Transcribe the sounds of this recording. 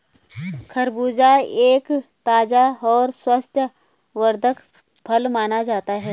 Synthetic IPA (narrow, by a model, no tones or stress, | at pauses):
kʰəɾbuːd͡ʒaeːkt̪aːd͡ʒaɔːɾswəst̪ʰjə | ʋəɾd̪ʱək | pʰɐlmaːnad͡ʒaːt̪aɦɛː